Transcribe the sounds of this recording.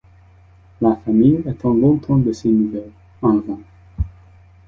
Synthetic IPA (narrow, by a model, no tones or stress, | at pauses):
lafamijɛt̪ɑ̃lɔ̃t̪ʰɑ̃d̪əsenuvɛl | ɑ̃lvɑ̃